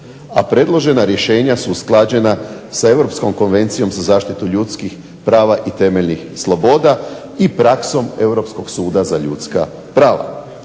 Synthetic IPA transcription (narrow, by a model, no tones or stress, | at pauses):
apɾe̞d̪lˠo̞ʒe̞naɾje̞ʃe̞ːɲasusklˠad͡ʑe̞nasae̞ʋɾo̞psko̞mko̞nʋe̞nt̪sijo̞mzazaːʃt̪it̪uʎut̪skix | pɾaːʋaʔit̪e̞meʎnixslˠo̞bo̞ːd̪a | ipɾakso̞me̞wɾo̞psko̞ɡsuːd̪azaʎut̪ska | pɾaːʋa̰